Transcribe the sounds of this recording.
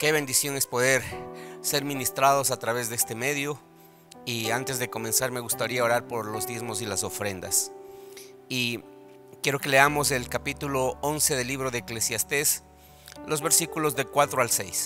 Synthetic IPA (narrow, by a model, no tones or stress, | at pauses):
ke̞βe̞nd̪isjo̞ne̞spo̞ðe̞ɾse̞ɾmĩnist̪ɾaðo̞sat̪ɾaβe̞zðeest̪e̞me̞ðjo | iant̪ezðeko̞mẽ̞nsaɾme̞ɣust̪aɾiao̞ɾaɾpo̞ɾlo̞zd̪jezmo̞s̬ilaso̞fɾe̞nd̪a̰s | i | kje̞ɾo̞ke̞le̞amo̞s̬e̞lkapit̪ulo̞onse̞ðe̞lːiβɾo̞ðeːklesjast̪e̞s | lo̞zβe̞ɾsikulo̞zðekwat̪ɾoalse̞̰js